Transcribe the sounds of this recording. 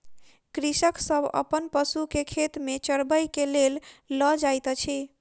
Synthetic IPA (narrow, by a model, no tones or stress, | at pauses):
kɾisəksəbʱə̰pənpəsukekʰet̪met͡ʃəɾbəjkelelːəd͡ʒajt̪t͡ʃʰi